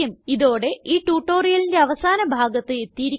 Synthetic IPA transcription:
ɐmiðo̞ːɽe̞iːʈuːʈːoːrijɐlinde̞ɐʋɐsaːnɐbʱaːɡɐt̪ːɨe̞t̪ːijiɾi

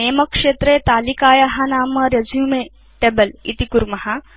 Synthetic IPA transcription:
eːmɐkʂeːt̪ɾeːt̪aːlikaːjɐɦɐnaːmɐɾjɐd͡ʒjuːmeː | ʈebɐlḭt̪ikuɾmɐɦɐ

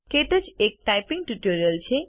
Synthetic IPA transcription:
keʈ̪əd͡ʒek̚ʈajpiŋɡ̚ʈuʈoɾijəlt͡ɕʰe

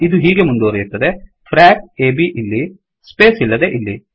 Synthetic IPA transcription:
id̪uɦiːɡe̞mund̪oːɾejuɾt̪ːɐd̪e | pʰɾaːkeːbiʔilːi | speːsilːɐd̪e̞ʔilːi

